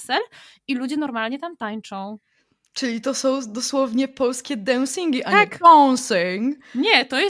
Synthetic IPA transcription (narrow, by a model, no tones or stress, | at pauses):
sɛlilud͡ʑɛnɔɾmalɲɛt̪amt̪aɲt͡ʂɔ̃w̃ | t͡ʂɘlʲit̪ɔsɔ̃w̃d̪ɔswɔvɲɛpɔlskʲɛd̪aw̃siŋɡʲiʔaɲaɔwsiŋɲɛt̪ɔjɛ